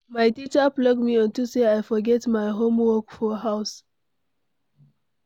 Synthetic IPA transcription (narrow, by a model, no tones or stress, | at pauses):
majtit͡ʃəplɔɡ̚miɔ̃ntuseajfɔɡɛtmaɪɦõmwɔkfɔɦaʊs